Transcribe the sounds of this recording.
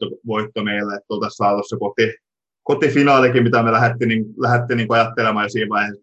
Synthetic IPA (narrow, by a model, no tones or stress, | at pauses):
oʋoit̪ːomeilːæet̪ːolt̪ɑsːɑːlussekot̪i | kot̪ifinɑːlikimit̪æmelæhet̪ːiniːŋlæhet̪ːiniːŋkoɑjɑt̪ːelemɑjjosiːʋʋɑihe